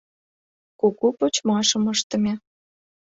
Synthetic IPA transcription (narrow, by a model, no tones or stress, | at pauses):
kukupot͡ɕmɑʃə̆məʃt̪ə̆mʲe